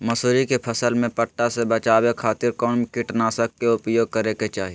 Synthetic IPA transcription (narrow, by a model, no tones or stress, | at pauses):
mɐsuːɾikepʰəsəlmẽpəʈːasebət͡ʃaːwekʰaːt̪ɪɾkɔːnkɪʈnaːsək̚ːeʊpjoːɡ̚kəɾeket͡ʃaːɦi